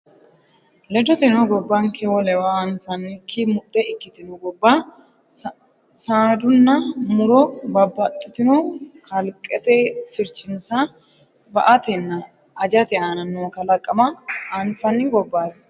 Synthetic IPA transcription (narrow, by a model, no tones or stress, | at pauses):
lɛd̪ɔt̪ɛnɔɡɔbːɐŋkʰɛwɔlɛwaɐnfɐnːɪkʰːɪmʊt̪ʼːɛɪkːɪt̪ɪnɔɡɔbːa | saːd̪ʊnːɐmʊɾɔbɐbːɐt̪ʼːɪt̪ɪnɔkʰɐlkʼɛt̪ɛsɪɾt͡ʃːɪnsa | bɐ̰ʔɐt̪ɛnːɐː | d͡ʒɐt̪ɛaːnɐnːoːkɐlɐkʼːɐmɐːnfɐnːɪɡɔbːaːd̪